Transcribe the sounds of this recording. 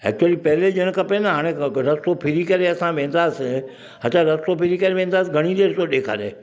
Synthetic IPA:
ɛ̰k̚t͡ʃuəlipɛɦled͡ʒəɽ̃kɐpẽnaɦaːɽ̃ẽɾɐst̪opʰɪɾikɐɾeɐsãʋẽːnd̪aːsɪ | ət͡ɕʰaɾɐst̪opʰɪɾikɐɾeʋẽːn̆d̪aːsɪɡʱɐɽ̃id̪eːɾɪsoɗeːkʰa̰ːɗ̪ḛː

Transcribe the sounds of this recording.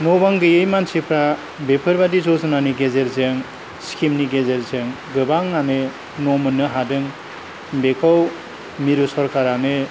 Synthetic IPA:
nɔbaŋɡɯjɯjmansipʰɾa | bepʰɯɾbadizɔzɯnaniɡezeɾzeŋ | skʰimniɡezeɾzeŋ | ɡɯbaŋanɯ | nɔmɯnːɯɦadɯŋ | bekʰaw | miɾɯsɔɾkaɾanɯ

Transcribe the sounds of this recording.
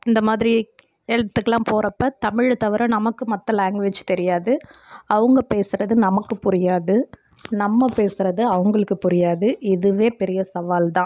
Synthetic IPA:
ɪnd̪ɐmaːðɪɾi | ɛɻt̪ːɯkːɐlãːpoːɾɐpːɐt̪ɐmɪɻt̪ɐʋɐɾɐnɐmɐkːɯmɐt̪ːɐlaːŋɡʋɪd͡ʒt̪ɛɾɪjaːðɯɐʋɐŋɡɐpeːsɯɾɐðɯnɐmɐkːɯpʊɾɪjaːðɯ | nɐmːɐpeːsɯɾɐðɯɐʋɐŋɡɐɭɯkːɯpʊɾɪjaːðɯɪðɯʋeːpɛɾɪjɐsɐʋaːlt̪ãː

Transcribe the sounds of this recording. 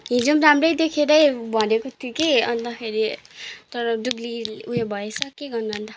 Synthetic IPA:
ɦĩd͡zomramrʌjd̪ekʰeɾʌjbʱʌnekot̪ʰukejʌnt̪akʰeɾit̪ʌɾʌduɡliuɦebʱʌesʰʌkeɡʌrnaʌnt̪a

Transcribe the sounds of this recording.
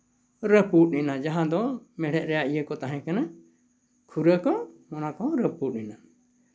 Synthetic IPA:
ɾəpuʔ̚ninad͡ʒaɦãd̪ɔmɛɽɛʔ̚ɾɛjaʔijəkɔt̪aɦɛ̃kana | kʰuɾəkɔmɔnakɔɾəpuʈ̚nina

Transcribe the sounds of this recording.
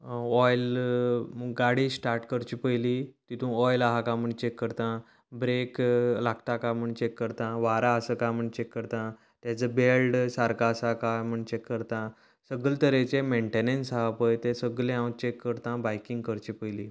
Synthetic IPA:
ɔjl | ɡaɽisʈaɾʈkəɾt͡ɕipəjlit̪it̪ʰũɔjlaɦakam̤əɳt͡ɕekːəɾt̪ã | bɾeklakʰʈ̪akam̤əɳt͡ɕekːəɾt̪ãʋaɾaəsəkam̤əɳt͡ɕekːəɾt̪ã | t̪jat͡səbelɖsaɾkaəsakajm̤əɳt͡ɕekːəɾt̪ã | səɡəlt̪əɾet͡ɕemeɳʈenensɦaapəjt̪ẽsəɡlẽãwt͡ɕekːəɾt̪ãbajkĩŋɡkəɾt͡ɕipəjliː

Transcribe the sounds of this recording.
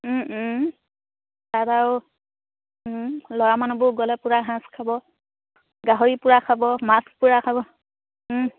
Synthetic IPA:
tataw | lɔjamanubʊɡɔlɛpuɹaɦãskʰabɔ | ɡaɦoɹipuɹakʰabɔmaspuɹakʰabɔ

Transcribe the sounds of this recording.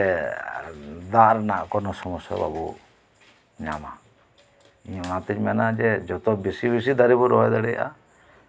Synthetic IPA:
ɛ | d̪aʔɾɛnaʔkɔnɔsɔmɔsɔ̰ba̰bṵ | ɲama̰ | inat̪ɛɲmɛnad͡ʒɛd͡ʒɔt̪ɔbisibis̬id̪aɾibɔɾɔɛd̪aɽɛjʔa̰

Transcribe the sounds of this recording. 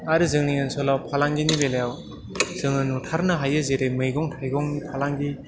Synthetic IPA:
aɾɯzɯŋniŋɯnsɔlapʰalaŋɡinibelajaw | z̥ɯŋɯnutʰaɾnɯɦajɯzeɾemɯjɡɔŋtʰajɡɔŋnipʰalaŋɡi

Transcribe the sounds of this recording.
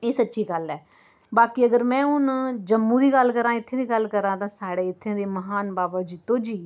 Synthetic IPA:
eːsətːʃiːɡəlɛː | baːkiːəɡəɾmɛ̃ːʊnd͡ʒəmːũːd̪iːɡəlːkəɾãːɪt̪ʰːẽːd̪iːɡəlkəɾãːt̪ãːsaːɽeːɪt̪ʰːẽːd̪eːməɦaːnbaːbaːd͡ʒiːt̪õːd͡ʒiː

